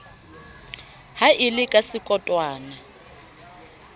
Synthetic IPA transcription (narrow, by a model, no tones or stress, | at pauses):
haʔɪlɪkʼasɪkʼɔtʼwaːna